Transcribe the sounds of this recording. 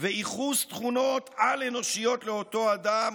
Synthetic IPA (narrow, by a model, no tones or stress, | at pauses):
veiχust̪χuno̞t̪aleno̞ʃijo̞t̪leo̞to̞ad̪am